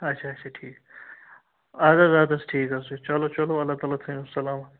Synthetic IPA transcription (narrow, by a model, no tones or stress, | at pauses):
ɐtːʃʰaːtt͡ʃʰaʈʰiːk | aːd̪ɐzaːd̪ɐsʈʰiːkɐsut͡ʃɐlot͡ʃɐloɐlːaːt̪aːlat̪ʰɐusɐlaːm